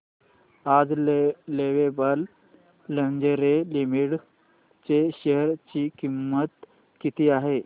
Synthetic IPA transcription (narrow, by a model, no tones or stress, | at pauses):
ad͡zleʋebəlː | əɲd͡ʑeɾelimiɽ | t͡seɕəɦəɾt͡ɕiːkimːət̪ | kit̪ʰiːaɦe